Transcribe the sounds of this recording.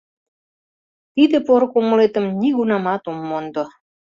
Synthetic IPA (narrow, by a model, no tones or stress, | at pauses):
t̪id̪ĕpoɾŏkoməlet̪ə̆mniɣunɑmɑt̪omːond̪o